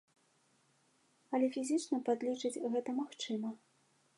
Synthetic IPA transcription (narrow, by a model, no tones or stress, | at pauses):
ɐlʲɛfʲizʲɨt͡ʂnɐpad̪lʲit͡ʂɨd͡zʲɣɛt̪ɐmaxt͡ʂɨmɐ